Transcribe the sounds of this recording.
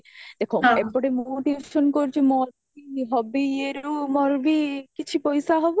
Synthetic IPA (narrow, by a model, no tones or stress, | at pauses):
d̪̥ekʰoebɔɽemumoʈibeʃɔnkoɾt͡ʃʰimɔɾbiɦɔbeeɾumɔɾbikit͡ʃʰipɔjsaɦɔbo